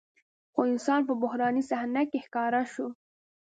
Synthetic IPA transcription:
xoɪnsɑnpəbʊhɾɑnisahnakexkɑɾaʃo

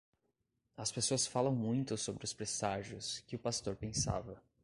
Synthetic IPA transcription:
ɐspesoɐsfalɐ̃w̃mũj̃t̪ʊsobɾɪʊspɾesaʒjʊskɪʊpast̪oɾpẽsa̰vɐ

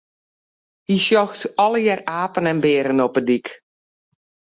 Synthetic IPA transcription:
hisjɔxtɔlˠəjɛraːpənɛnbɪːɾənɔpədik

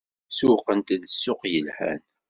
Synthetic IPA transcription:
suqənt̪ðəsːʊqjəlħæ̰n

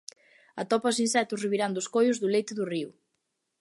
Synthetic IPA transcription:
ɐt̪ɔpɐʊsinsɛt̪ʊsriβiɾand̪ʊskojʊzðʊlejt̪ɪðʊriʊ

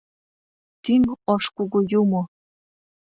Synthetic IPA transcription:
t̪iŋɔʃkuɣujumo

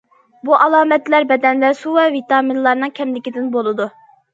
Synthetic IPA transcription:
buʔɑlˠɑːmɛt̪læɾbɛd̪ɛnlæsuwɛvit̪ɑːminlˠɑɾnɨŋkʲʰɛmlɪkʲid̪ɪnbolˠɨd̪u

